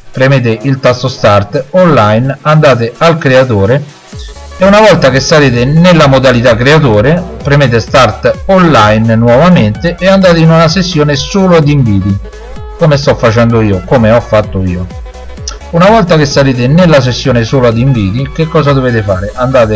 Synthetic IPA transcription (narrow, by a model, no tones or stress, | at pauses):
pɾemeːt̪̬ɪʔilt̪ast̪ost̪art̪ɔnːajnand̪aːt̪̬ɪalkɾeat̪̬oːɾe | ɛunavɔlt̪akesːaɾeːt̪̬ɪnɪlːamod̪alit̪̬akːɾeat̪̬oːɾepɾemeːt̪ɪst̪art̪ɔnlajnnwɔvament̪ɪʔɛand̪aːt̪̬ɪinunasesːjoːnɪsoːlʊad̪iɱviːt̪i | komest̪ɔfːat͡ʃɛnd̪ʊiːokomeɔfːat̪ːʊiːo | unavɔlt̪ak̟esːaɾeːt̪̬ɪnelːas̬esːjoːnɪsoːlʊad̪iɱviːt̪ik̟ekːɔːzad̪oveːt̪ɪfa̰ːɾɪʔand̪aːt̪ɪ